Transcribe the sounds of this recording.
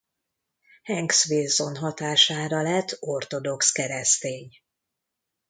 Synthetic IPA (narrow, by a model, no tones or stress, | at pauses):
hɛŋɡsʋeːzːo̞nɦɒt̪aːʃaːɾɒlɛt̪ʰːo̞rt̪o̞d̪o̞kskɛɾɛst̪eːɲ